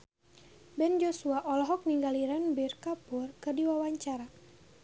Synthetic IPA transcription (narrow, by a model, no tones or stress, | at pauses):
bɛnd͡ʒosuaʔɔlɔɦɔk̚niŋɡaliɾanbirkapʊrkɨrdiwawaɲt͡ʃaɾa